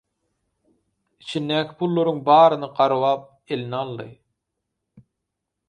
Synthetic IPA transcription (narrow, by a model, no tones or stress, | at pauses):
it͡ʃʰind̪æːkʲʰi̥pʰulˠːoɾuŋbɑːɾɯnɯqɑɾwɑːp̚ | e̞linɑlˠːɯ̰